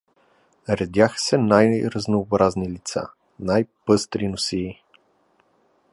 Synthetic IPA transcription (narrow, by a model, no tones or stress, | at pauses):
ɾɛd̪ʲjaxə̥sɛnajɾəznoːbɾaznilit̪sa̰ | najpɤst̪ɾinʊsiː